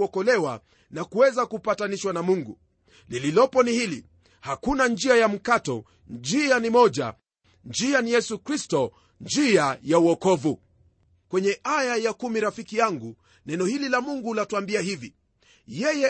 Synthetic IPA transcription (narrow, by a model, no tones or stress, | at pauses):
ɔkɔlɛwa | nakuwɛzakupataniʃwanamuŋɡu | lililɔpɔnihilḭ | hakunand͡ʒiajam̩katɔ | d͡ʒianimɔʄa̰ | nd͡ʒianijɛsukɾistɔ | nd͡ʒiajauɔkɔvu | kwɛɲɛʔajajakumiɾafikijaŋɡu | nɛnɔhililamuŋɡulatuambiahivi | jɛjɛ